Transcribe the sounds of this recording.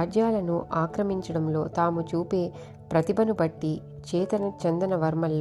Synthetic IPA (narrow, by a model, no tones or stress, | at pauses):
d͡ʒjaːlɐnuʔaːkɾɐmiɲt͡ʃɐɽɐmlo̞ːt̪aːmut͡ʃuːpe̞ː | pɾɐt̪ibʱɐnubɐʈːi | t͡ʃɛːt̪ɐnɐt͡ʃɛnd̪ɐnɐʋɐɾmɐlː